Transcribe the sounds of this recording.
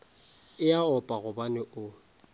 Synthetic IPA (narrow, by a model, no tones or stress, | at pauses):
ɪaɔpʼaɣʊbanɪʔʊ